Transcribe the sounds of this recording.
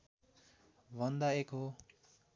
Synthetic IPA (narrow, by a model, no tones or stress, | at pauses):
bʱʌnd̪aekɦo